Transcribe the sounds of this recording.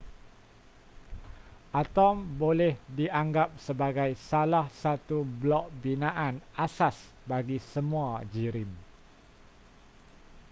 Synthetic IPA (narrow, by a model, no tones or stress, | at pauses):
ʔat̪ɔmbolɛhdiʔaŋɡap̚səbaɡajsalahsat̪ublɔʔ̚binãʔanasas | baɡisəmũad͡ʒiɾim